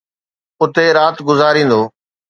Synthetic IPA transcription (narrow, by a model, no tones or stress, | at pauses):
ʊt̪eɾaːt̪ɡʊzaːɾĩːn̆d̪oː